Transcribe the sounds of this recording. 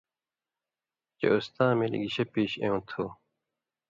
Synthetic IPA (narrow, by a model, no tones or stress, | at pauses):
t͡ɕḛust̪ãːmelḭɡiɕepiːɕẽũːt̪ʰu